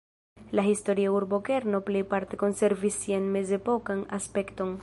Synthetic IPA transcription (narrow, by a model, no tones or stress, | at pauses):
laɦisto̞ɾiauɾbo̞ke̞ɾno̞ple̞jpaɾte̞ko̞nse̞ɾvisːianme̞ze̞po̞kanaspe̞kto̞n